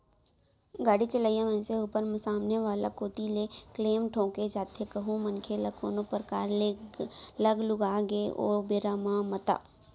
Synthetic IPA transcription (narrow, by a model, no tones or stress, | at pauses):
ɡaːɽit͡ʃələːijãmɛ̃ːseuːpəɾmsaːmneʋaːla̰koːt̪ilekleːmʈʰõːked͡ʒaːt̪ʰekɐɦũmɐnkʰelakʰo̰ːnopɾəkaːɾlelɐɡlʊɡaːɡeʔo̰ːbeːɾamãmɐt̪a̰ː